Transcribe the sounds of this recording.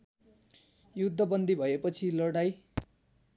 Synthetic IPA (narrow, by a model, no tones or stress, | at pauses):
jud̪ʱːʌbʌnd̪ʱibʱʌepʌt͡sʰilʌɽaj